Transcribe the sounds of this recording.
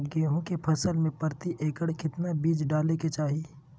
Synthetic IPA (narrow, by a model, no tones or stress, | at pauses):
ɡeːɦõkepʰɐsəlmẽpəɾt̪iʔeːkəɽkʰɪt̪nabiːd͡ʒɖaːleket͡ʃaːɦiː